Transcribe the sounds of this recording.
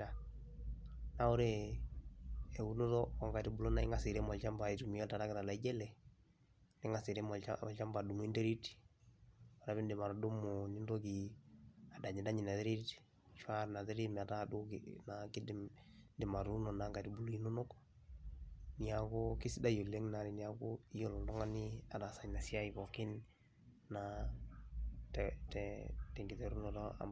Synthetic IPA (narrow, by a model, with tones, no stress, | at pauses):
a˨ | na˦o˦ɾe | ɛ˨u˦no˦tɔː˦˨ŋɡa˨ɾi˦bu˦lo˦na˦ḭ˦ŋɡa˨si˨ɾe˦mɔ˨lt͡ʃa˦mba˨i˨tu˨mi˨ɔ˦ta˨ɾa˦kɪ˨ɾa˨la˨i˦d͡ʒɛ˦lɛ˨ | ne˦ŋa˨si˨ɾe˦mɔ̰˨ɔ˨lt͡ʃa˦mba˨du˨m˦i˦nde˦ɾi˦ti̥ | ɔ˨ɾa˨βɪ˦ndɪ˨ma˨ɾɔ˨do˦mo˨ɲɪ˦ndo˦ki | a˨da˨ɲɪ˨da˦ɲɪ˨na˨ðe˦ɾi˦ti̥ | t͡ʃwa˦ɾna˨te˦ɾi˦m˨a˨ta˦du˦kna˨kɪ˦dɪndɪ˨ma˨ɾu˦nɔ˨naŋɡa˨di˨bu˨lu˨i˦no˦no˦k | ni˦a˨ko˦kɪ˦sɪ˦da˦jo˨le˦ŋna˨ɾi˨ni˨ja˦koi˦jo˦lɔ˨ndɔ˦ŋa˦ni˦a˨da˨sa˨ɲna˨si˦a˦i˨bɔ˨kɪ˦nː | a˨ | ttɛtɛ˨ŋɡi˨tɛ˨ɾu˦nɔ˨dɔa̰˨